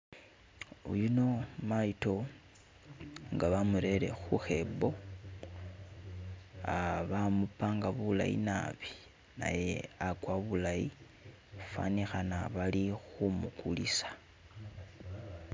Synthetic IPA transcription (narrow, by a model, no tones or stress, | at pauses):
ulino̞maito̞ | ŋɡaβamuɾe̞ɾe̞̰xuxe̞bo̞ | aβamupaːŋɡaβula̰jḭna̰βi | na̰je̞akwaβulaji | fa̰nixanaβalixumukulisḁ